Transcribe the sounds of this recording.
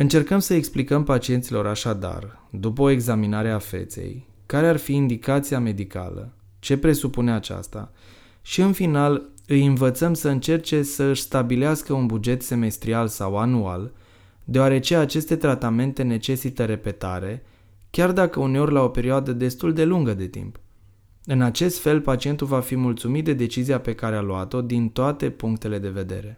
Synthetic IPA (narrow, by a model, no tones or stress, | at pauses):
ɨnt͡ʃe̞rkəmsəeksplikəmpat͡ʃie̞nt̪silo̞ɾaʃad̪a̰rd̪up̬əoe̞ɡzaminaɾeafe̞̰t̪se̞̰j | kaɾe̞arfiːnd̪ikat̪siame̞d̪ika̰lə̰ | t͡ʃe̞pɾe̞supuneat͡ʃa̰st̪a̰ | ʃiɨnfinalɨjɨnvət̪səmsəɨnt͡ʃe̞rt͡ʃe̞səɨʃʲst̪abileaskəunbud͡ʒe̞t̪se̞me̞st̪ɾialsawanual | d̪eoaɾe̞t͡ʃe̞at͡ʃe̞st̪e̞t̪ɾat̪ame̞nt̪e̞ne̞t͡ʃe̞sit̪əɾe̞pe̞t̪a̰ɾe̞ | kʲard̪akəune̞o̞rʲlao̞pe̞ɾioad̪əd̪e̞st̪uld̪e̞luŋɡəd̪e̞t̪ḭmp | ɨnat͡ʃe̞st̪fe̞lpat͡ʃie̞nt̪ulvafimult̪sumit̪̚d̪e̞d̪e̞t͡ʃiziape̞kaɾealuat̪o̞d̪int̪oat̪e̞puŋkt̪e̞le̞d̪e̞ve̞d̪e̞̰ɾe̞